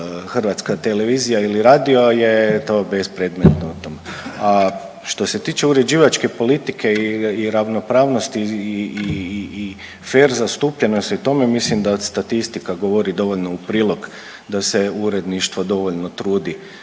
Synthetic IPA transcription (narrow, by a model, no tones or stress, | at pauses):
xrʋat̪skat̪e̞le̞ʋiːzijailiɾaːd̪iojet̪oːbe̞spɾe̞d̪met̪nout̪o̞mea | ʃt̪o̞se̞t̪iːt͡ʃe̞uɾed͡ʒiːʋat͡ʃke̞po̞lit̪ikʰe̞iiɾaʋno̞pɾaːʋno̞st̪iː | feːɾzast̪uːpʎe̞nost̪iut̪o̞memislimd̪aod̪st̪at̪ist̪ikaɡo̞ʋo̞ɾid̪o̞ʋoʎno̞upɾiːlˠo̞k | d̪aseuɾe̞d̪niʃt̪ʋod̪o̞ʋo̞ʎno̞t̪ɾuːd̪i